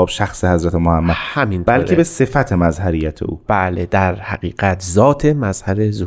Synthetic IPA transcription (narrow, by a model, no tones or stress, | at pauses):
ɒːbʃæxsehæzɾæt̪ʰemohæmːæd̪hæminbælcʰebese̞fæt̪ʰemæzhæɾiːjːæt̪ʰḛʔṵːb̥æːled̪æɾhæ̰ɢiːɢæt̪ʰzɒːt̪ʰe̞mæzhæɾezu